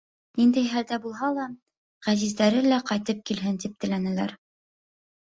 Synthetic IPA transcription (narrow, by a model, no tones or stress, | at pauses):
nind̪æjɦæld̪æbulˠɦɑlˠɑ | ʁæzizd̪æɾɘlæqɑjt̪ɤp̚kilɦɘnt̪ip̚t̪ɘ̆lænæ̆læ̰ɾ